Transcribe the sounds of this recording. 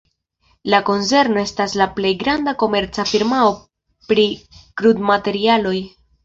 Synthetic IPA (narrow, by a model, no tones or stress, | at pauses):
lako̞nse̞ɾno̞e̞staslaple̞jɡɾandako̞me̞ɾt͡safiɾmao̞ | pɾikɾudmate̞ɾialo̞j